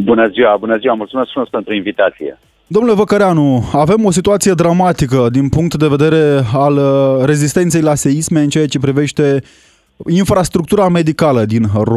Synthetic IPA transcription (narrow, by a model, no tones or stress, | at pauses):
bunəziwabunəziwamult̪sumeskfumesk̚pe̞nt̪ɾuinvit̪at̪sijḛ | d̪o̞mnule̞vəkəɾeanuave̞mo̞s̬it̪uat̪sije̞d̪ɾamat̪ikəd̪inpuŋk̚t̪d̪e̞ve̞d̪e̞ɾe̞alre̞zist̪e̞nt̪sejlase̞isme̞ɨnt͡ʃeat͡ʃe̞pɾive̞ʃt̪e̞ | infɾast̪ɾukt̪uɾame̞d̪ikaləd̪inro